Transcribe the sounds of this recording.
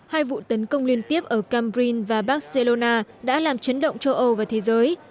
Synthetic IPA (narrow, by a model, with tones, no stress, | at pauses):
haː˧jvṵ˧˨t̪ə˨˦nkə˧wŋ͡mli˧ənt̪i˦˥əp̚ʔəː˧˩kaː˧mɾi˧nvaː˨˩ɓaː˦˥t̚se˧lo˧naː˧ɗa̰ː˧˥laː˨˩mt͡ɕə˨˦nɗə̰˧˨wŋ͡mt͡ɕə˧wʔə˧wvaː˨˩wt̪ʰe˨˦zəː˨˦j